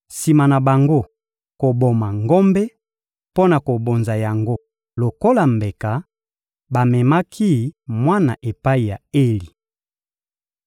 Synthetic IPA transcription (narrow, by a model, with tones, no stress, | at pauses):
si˨ma˨na˨ba˨ŋɡo˦ | ko˨bo˨ma˨ŋɡo˦mbɛ˦ | po˦na˨ko˨bo˨nza˨ja˨ŋɡo˦ | lo˨ko˦la˨mbe˨ka˨ | ba˨mɛ˨ma˦kʰi˦mwa˦na˨ʔe˨pa˦i˨ja̰˨e˦li˨